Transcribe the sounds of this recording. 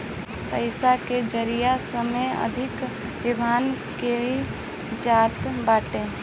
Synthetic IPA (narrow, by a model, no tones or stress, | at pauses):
pəɪsaked͡ʒəɾijasəmejə̰d̪ʱɪk | ʋɪbʱaːnke | d͡ʒaːt̪baːʈẽː